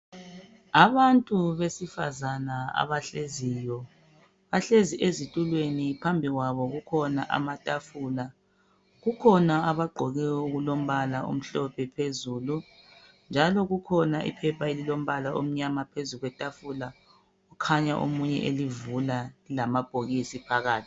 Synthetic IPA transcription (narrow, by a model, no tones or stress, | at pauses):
aβantʼuβesifa̰zanaa̰βaɬezijɔ | βaɬeziʔezitʼulwenipʰambʱiɣwaβɔɣukʰɔna̰ʔa̰matʼafula | ɣukʰɔnaaβaɡ͡ǃʱɔɣɛwuɣulom̩βalao̰m̩ɬɔpʰɛpʰezuːlu | nd͡ʒʱalɔɣukʰɔnaʔḭpʰɛpʰaelilom̩βalaʔom̩ɲamapʰezuɣwɛtʼafula | ukʰaɲaʔo̰muɲɛ̰ʔelivulalamab̥ʱoɣisipʰaɣaːtʰi̥